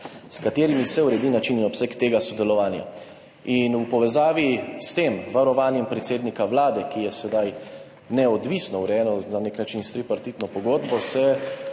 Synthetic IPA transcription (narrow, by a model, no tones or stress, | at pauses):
skat̪eːɾimisɛuɾɛd̪inat͡ʃininɔpsɛkt̪eːɡasɔd̪ɛlɔʋaːnja̰ | inupɔʋɛzaːʋist̪eːmʋaɾɔʋaːnjɛmpɾɛt̪seːd̪nikaʋlaːd̪ɛkijɛsɛd̪aj | nɛɔd̪ʋisnɔuɾɛjɛːnɔnaneknat͡ʃinst̪ɾipaɾt̪it̪nɔpɔɡoːd̪bɔsɛ